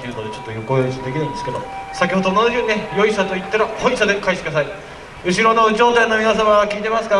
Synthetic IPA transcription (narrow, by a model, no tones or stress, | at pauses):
ejɯ̟ːnod̪e̞t͡ɕo̞t̪ːo̞jo̞ko̞josd̪ekʲinaĩnd̪eske̞d̪o̞̰sakʲiho̞d̪onod̪od͡ʑɯɲʲinejo̞isat̪o̞it̪ːaɾajoisad̪e̞kaiɕi̥kɯd̪asai | ɯ̟ɕ̬iɾo̞no̞d͡ʑo̞ːt̪ãnːomʲinas̬amakʲiːt̪e̞masɨ̥ka